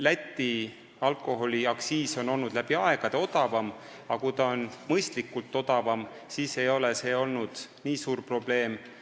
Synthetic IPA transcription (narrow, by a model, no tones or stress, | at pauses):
læt̪ːi | ɑlkˑo̞ɦo̞lʲiɑksiːso̞no̞lnud̪̥læb̥iɑe̞ɡ̥ɑd̪̥eo̞d̪ɑvɑm | ɑkujt̪ɑonmɤjst̪likːˑult̪ːˑo̞d̪̥ɑvɑm | siːse̞jo̞lese̞o̞lnud̪̥niːsuːrpro̞b̥le̞ːm